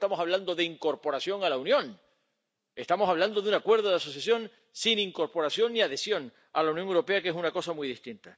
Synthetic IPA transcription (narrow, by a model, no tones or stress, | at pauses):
t̪amo̞saβ̞land̪o̞ðe̞iŋko̞ɾpo̞ɾasjo̞ŋalaunjõ̞n | e̞st̪amo̞saβland̪o̞ðunakwe̞ɾð̞oðeaso̞sjasjo̞n | siniŋko̞ɾpo̞ɾasjo̞nːiaðe̞sjo̞n | alaunjoŋewɾo̞pe̞akeesunako̞samujðist̪int̪a